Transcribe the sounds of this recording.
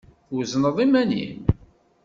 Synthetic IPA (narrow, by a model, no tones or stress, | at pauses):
wznəðˤimænḭm